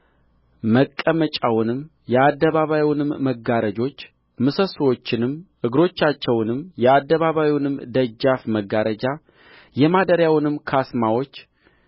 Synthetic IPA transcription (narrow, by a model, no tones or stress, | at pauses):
məkʼːəmət͡ʃʼawʊnɨm | jɛad̪ːəβaβajiwnɨmːəɡaɾəd͡ʒo̞t͡ʃː | mɨsəswo̞t͡ʃːɪnɨmʔɨɡɾo̞t͡ʃːat͡ʃːɛwnɨmjɛad̪ːəβaβajiwnɨmːd̪əd͡ʒːafməɡaɾəd͡ʒa | jɛmad̪əɾjawnɨmːkʰasmawo̞t͡ʃː